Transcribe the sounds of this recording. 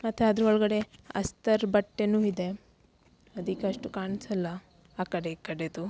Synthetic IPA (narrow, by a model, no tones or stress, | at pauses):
mɐt̪ːuɐd̪ɾuɔɭɐɡɐɽe̞ɐ̰st̪ɐɾbɐʈːenuːid̪e̞ | ɐd̪ikːeɐʂʈukaːɳisɐlːɐ | aːkɐɽekɐɽed̪u